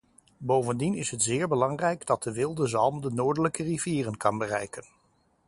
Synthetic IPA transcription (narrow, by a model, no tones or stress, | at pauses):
bowvəndinɪsɦətz̥ɪːɹbəlɑŋrɛjɡdɑt̚dəʋɪlˠdəzɑlˠmdənoːɹdələkəriviːrənkɑnbərɛjkən